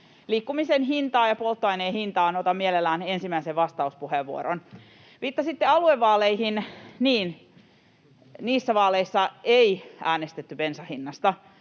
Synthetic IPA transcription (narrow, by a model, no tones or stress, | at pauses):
liːkːumisenɦint̪ɑːjɑpolt̪ːoɑineːhint̪ɑːnot̪ɑmmielelːæːnensimæiseʋʋɑst̪ɑuspuheʋːuoɾon | ʋiːt̪ːɑsit̪ːeɑlueʋːɑːleihinniːn | niːsːæʋɑːleisːɑeiʔæːnest̪et̪ːypensɑhinːɑst̪ɑ